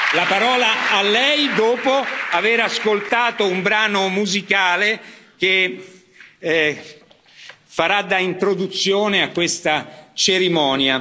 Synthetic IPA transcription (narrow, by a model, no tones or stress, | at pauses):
lapaɾɔːlaalːɛjd̪oːpoaveɾaskolt̪aːt̪oumbɾaːnomuzikaːlek̟e | faɾad̪ːaint̪ɾod̪ut̪sːjoːneakːwest̪at͡ʃeɾimɔːnja